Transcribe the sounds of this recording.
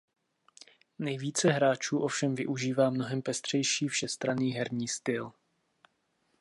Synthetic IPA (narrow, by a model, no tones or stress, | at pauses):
nɛjviːt͡sɛɦɾaːt͡ʃuːʔo̞fʃɛmvɪʔuʒiːvaːmno̞ɦɛmpɛst̪r̝̥ɛjʃiːfʃɛst̪ɾaniːɦɛɾɲiːst̪ɪl